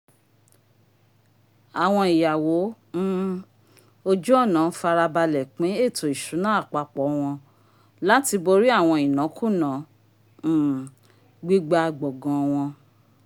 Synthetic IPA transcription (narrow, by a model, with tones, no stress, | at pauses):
a˨w̃ɔ̃˧i˨ja˨wo˨˦ | o˧d͡ʒu˦ɔ˦˨nã˨˦fa˧ɾa˧ba˧lɛ˨k͡pĩ˨˦e˦˨tʰo˨i˨ʃu˨˦nã˦a˦˨k͡pa˧k͡pɔ˨˦w̃ɔ̃˧ | la˦ti˧bo˧ɾi˦a˦˨w̃ɔ̃˧i˨nã˨˦kũ˦˨nã˨˦˨ | ɡ͡bi˦ɡ͡ba˧˨ɡ͡bɔ˨ɡã˧w̃ɔ̃˧